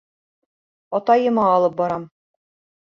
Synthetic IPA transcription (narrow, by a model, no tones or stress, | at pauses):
ɒt̪ɑjɤ̆mɑːlˠɤp̚bɒɾɑm